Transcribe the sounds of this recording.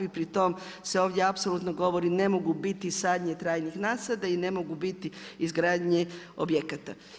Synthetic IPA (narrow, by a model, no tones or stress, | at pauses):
ipɾit̪o̞m | se̞o̞ːʋd̪ʲjeapso̞lut̪noɡo̞ʋo̞ɾine̞mo̞ɡubit̪isaːd̪ɲet̪ɾaːjnixnaːsad̪aine̞mo̞ɡubit̪iizɡɾaːd̪ɲeo̰bjekat̪a